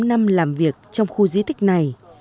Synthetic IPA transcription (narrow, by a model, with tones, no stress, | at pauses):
na˧mlaː˨˩mvi˨˩ək̚t͡ɕɔ˧wŋ͡mxu˧zi˨˦t̪ʰï˦˥k̟̚na˨˩j